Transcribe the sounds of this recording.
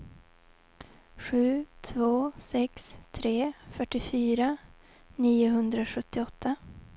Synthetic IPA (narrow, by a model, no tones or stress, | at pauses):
ɧʉ̟ːt̪ʰvoːsɛkst̪ʰɾeːfœʈːɪfyːɾa | niːʊɦɵnd̪ɾaɧɵt̪ːɪɔt̪ʰːa